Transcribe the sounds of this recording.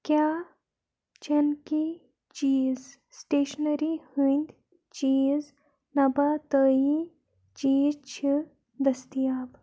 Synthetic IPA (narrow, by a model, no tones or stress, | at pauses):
kʲjaː | t͡ʃɐnki | t͡ʃiːz | sʈeːʃnəɾihɨnd̪ʲ | t͡ʃiːz | nɐbat̪əːji | t͡ʃiːzt͡ʃʰi | d̪ɐst̪ijaːb